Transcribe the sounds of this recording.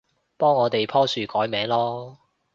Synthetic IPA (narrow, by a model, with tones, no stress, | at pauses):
pɔː˥ŋːɔː˨˧t̪e˨jpʰɔː˥syː˨˧kɔː˨˥jmɛː˨˧˥ŋlɔː˥